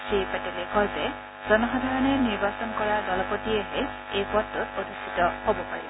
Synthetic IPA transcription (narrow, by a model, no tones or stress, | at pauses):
sipaʈelekʰɔze | zɔnɔɦɔd̪ʱaɹɔneniɹbasɔnkɔɹadɔlɔpotieɦe | epɔt̪ːutod̪ʱisit̪ɔhobɔpa̰ɹḭbɔ